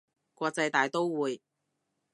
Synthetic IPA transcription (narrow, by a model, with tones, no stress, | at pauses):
kʷɔː˧k̚t͡sɐ˧jt̪aː˨jt̪o˥wwuː˨˧j